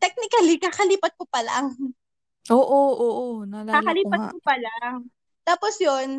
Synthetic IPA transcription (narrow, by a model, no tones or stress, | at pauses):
t̪ɛk̚nɪkɐlikaːkɐliːpɐt̪̚kʊpɐla̰ | ʔoːʔoʔoːʔonɐlakakɐliːpɐkoɐla | t̪aːposjon